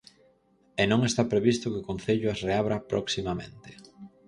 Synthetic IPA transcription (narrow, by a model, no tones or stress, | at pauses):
enõŋest̪apɾeβist̪ʊkeokõn̟θeʎʊasreaβɾapɾoksimamḛ̃nt̪ɪ̥